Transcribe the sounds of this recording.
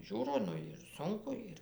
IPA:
ˈʒʲuːroː ˈnʊ ɪr ˈsʊŋkʊ ˈɪr

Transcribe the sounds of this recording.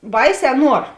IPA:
ˈbɐɪˌsʲɛː ˈnuɔr

